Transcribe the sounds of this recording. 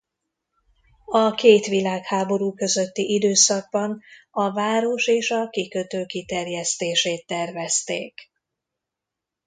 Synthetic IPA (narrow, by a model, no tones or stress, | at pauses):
ɒkeːt̪ʋilaːkhaːbo̞ɾuːkø̞zø̞t̪ːiʔid̪øːsɒɡ̚bɒn | ɒvaːɾo̞ʃeːʃɒkikøt̪øːkit̪ɛrjɛst̪eːʃeːt̪ːɛrvɛst̪ḛːk